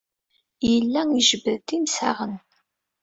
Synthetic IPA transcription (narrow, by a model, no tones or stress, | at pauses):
jəlːæiʒəbəðt̪imsa̰ʁən